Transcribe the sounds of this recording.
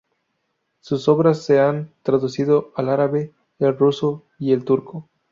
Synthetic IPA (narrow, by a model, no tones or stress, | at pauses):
suso̞βɾasːe̞ant̪ɾaðusiðo̞alaɾaβeː | lruso | ie̞lt̪uɾko